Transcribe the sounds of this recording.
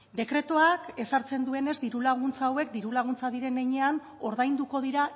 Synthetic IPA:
d̪e̞kɾe̞t̪oake̞saɾt͡se̞nd̪ue̞ne̞zd̪iɾulaɣ̞unt͡saːwe̞kd̪iɾulaɣ̞unt͡saðiɾe̞neɲe̞an | o̞ɾðajnd̪uko̞ðiɾa

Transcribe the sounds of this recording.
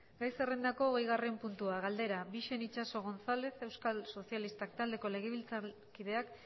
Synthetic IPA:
ɡajse̞rend̪ako̞ːɣejɣare̞mpunt̪uaɣ̞ald̪e̞ɾaβiʃe̞nit͡ʃaso̞ɣ̞o̞nsale̞se̞wskalso̞sialist̪akt̪ald̪e̞ko̞le̞ɣ̞eβilt͡sa | kið̞e̞ak

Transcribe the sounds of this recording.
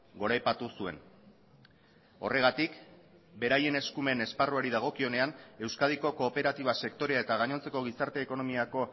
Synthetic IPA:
ɡo̞ɾajpat̪usue̞̰n | o̞̰re̞ɣat̪ik | be̞ɾaje̞neskume̞ne̞sparuaɾiðaɣ̞o̞kio̞ne̞ane̞wskað̞iko̞ko̞ːpe̞ɾat̪iβ̞ase̞kt̪o̞ɾe̞ae̞t̪aɣaɲo̞nt͡se̞ko̞ɣ̞isaɾt̪e̞ːko̞no̞miako̞

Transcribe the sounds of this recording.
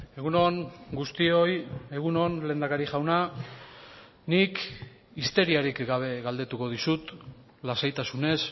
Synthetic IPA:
e̞ɣunonɡust̪ioje̞ɣ̞uno̞nle̞ːnd̪akaɾiʝawna | nik | ist̪e̞ɾiaɾikɡaβ̞e̞ɣald̪e̞t̪uko̞ðisut̪ | lasajt̪asune̞s

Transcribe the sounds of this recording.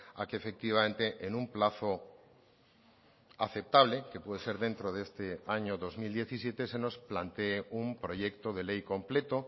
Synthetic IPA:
a̰keːfek̚t̪iβ̞amẽnt̪eʔenũmplaθo | a̰θe̞p̚t̪aβleke̞pweðese̞ɾðẽnt̪ɾoðest̪eaɲoðozmild̪je̞θisje̞t̪eseno̞splant̪eːumpɾo̞ʝekt̪oðelejkõ̞mple̞t̪o

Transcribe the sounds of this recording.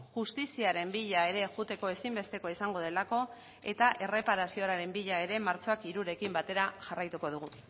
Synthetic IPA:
xust̪isiaɾe̞mbiʎae̞ɾe̞ʝut̪e̞ko̞e̞simbe̞st̪e̞ko̞isaŋɡo̞ð̞e̞lako̞ | e̞t̪aʔe̞re̞paɾasio̞ɾaɾe̞mbiʎae̞ɾe̞maɾt͡so̞akiɾuɾe̞kimbat̪e̞ɾaʝarajt̪uko̞ð̞uɣ̞u

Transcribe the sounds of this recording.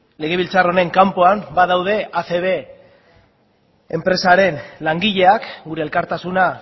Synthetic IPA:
le̞ɣ̞e̞β̞ilt͡saro̞ne̞ŋkampoambað̞awð̞e̞ʔaθe̞βe | empɾe̞saɾe̞nlaŋɡiʎe̞akɡuɾe̞ːlkaɾt̪asuna

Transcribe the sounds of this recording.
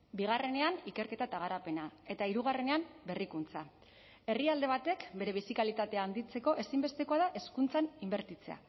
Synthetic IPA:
biɣ̞are̞ne̞anike̞ɾke̞t̪at̪aɣ̞aɾape̞nae̞t̪aiɾuɣ̞are̞ne̞ambe̞rikunt͡sa | e̞riald̪e̞β̞at̪e̞kbe̞ɾe̞β̞isikalit̪at̪e̞aːnd̪it͡se̞ko̞ʔe̞simbe̞st̪e̞ko̞aðaʔe̞skunt͡sanimbe̞ɾt̪it͡se̞a̰

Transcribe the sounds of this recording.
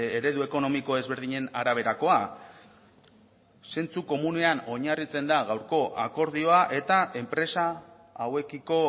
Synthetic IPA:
eɾe̞ðue̞ko̞no̞miko̞e̞zβe̞ɾð̞iɲe̞naɾaβ̞e̞ɾako̞a | se̞nt͡suko̞mune̞ano̞ɲarit͡se̞nd̪aɣawɾko̞ʔa̰ko̞ɾðio̞aʔe̞t̪aʔe̞mpɾe̞sa | awe̞kiko̞

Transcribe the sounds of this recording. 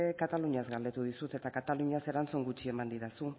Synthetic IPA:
kat̪aluɲazɡald̪e̞t̪uð̞isut̪e̞t̪akat̪aluɲase̞ɾant͡suŋɡut͡ʃie̞mand̪iɾasu

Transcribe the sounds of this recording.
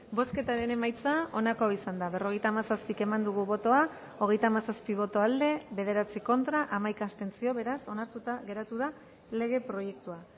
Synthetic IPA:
bo̞ske̞t̪aɾe̞ne̞majt͡sao̞nako̞aisand̪aβe̞ro̞ɣ̞e̞jt̪aːmasaspike̞mand̪uɣ̞uβo̞t̪o̞a | o̞ɣ̞e̞jt̪aːmasaspiβ̞o̞t̪o̞ald̪e̞βe̞ð̞e̞ɾat͡siko̞nt̪ɾaʔamajkaːst̪e̞nt͡sio̞βe̞ɾaso̞naɾt̪ut̪aɣe̞ɾat̪uð̞a | le̞ɣ̞e̞pɾo̞je̞k̚t̪ua

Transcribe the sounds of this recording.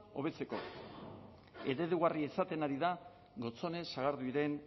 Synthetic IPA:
o̞̰β̞e̞t͡se̞ko̞̰ | e̞ðe̞ðuɣariesat̪e̞naɾiða | ɣo̞t͡so̞ne̞saɣaɾðuiɾe̞n

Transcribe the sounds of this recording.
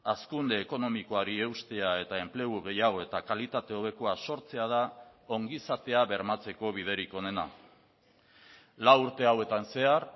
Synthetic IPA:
askund̪e̞ːko̞no̞miko̞aɾie̞wst̪e̞ae̞t̪ae̞mple̞ɣuɣe̞jaɣ̞o̞e̞t̪akalit̪at̪e̞o̞β̞e̞koaso̞ɾt͡se̞að̞ao̞ŋɡisat̪e̞aβe̞ɾmat͡se̞ko̞β̞ið̞e̞ɾiko̞ne̞na̰ | lawuɾt̪e̞awe̞t̪anse̞aɾ

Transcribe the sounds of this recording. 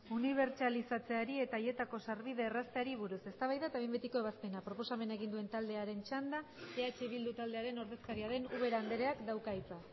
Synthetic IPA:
uniβ̞e̞ɾt͡ʃalisat͡se̞aɾie̞t̪aje̞t̪ako̞saɾβiðe̞ːrast̪eaɾiβuɾuse̞st̪aβajðat̪aβembet̪iko̞e̞βaspe̞napɾo̞po̞same̞naeɣind̪ue̞nt̪ald̪e̞aɾe̞nt͡ʃand̪a | eat͡ʃeβ̞ild̪ut̪ald̪e̞aɾe̞no̞ɾðe̞skaɾiaɾe̞nuβe̞ɾand̪e̞ɾe̞akd̪awkajt͡sa

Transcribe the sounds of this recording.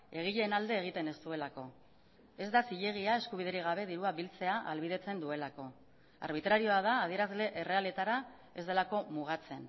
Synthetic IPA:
e̞ɣ̞iʎe̞ːnald̪e̞ːɣ̞it̪e̞ne̞st̪ue̞lako̞ | e̞zd̪asiʎe̞ɣ̞iae̞skuβ̞ið̞eɾiɣ̞aβ̞e̞ðiɾuaβilt͡se̞aʔalβiðe̞t͡se̞nd̪ue̞lako̞ | a̰ɾβ̞it̪ɾaɾio̞að̞aːð̞ie̞ɾazle̞ʔere̞ale̞t̪aɾa | e̞zðe̞lako̞muɣat͡se̞n

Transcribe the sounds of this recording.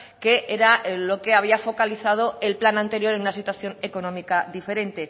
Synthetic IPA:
ke̞ʔeɾalo̞ke̞aβ̞iafo̞kaliθað̞o̞e̞lplanãnt̪e̞ɾjo̞ɾe̞nunasit̪waθjo̞ne̞ko̞no̞mikad̪ife̞ɾe̞nt̪e̞

